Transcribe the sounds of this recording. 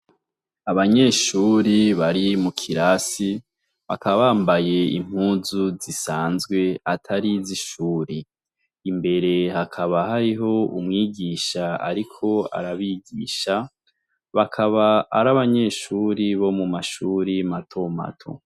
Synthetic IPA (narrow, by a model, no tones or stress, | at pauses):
aβaɲe̞ːʃuːɾiβaɾimukʰiɾasi | βakʰaβaβaːmbaje̞ḭm̥huːzuzisaːnzɡwe̞atʰaɾiziʃuːɾiː | mbe̞ɾe̞hakʰaβahaɾiɦo̞ṵmŋiːɟiːʃaa̰ɾikʰo̞a̰ɾaβiɡiːʃa | βakʰaβa̰ːɾaβaɲe̞ːʃuːɾiβo̞mumaʃuːɾimatʰo̞ma̰tʰo̞̰